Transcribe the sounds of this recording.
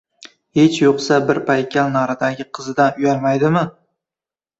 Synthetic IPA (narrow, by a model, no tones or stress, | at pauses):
het͡ʃjoqsabɪɾpʰajkʲʰːalnɒɾad̪aɡʲɪqʰɨzɪd̪anʊjalmajd̪ɪmɪ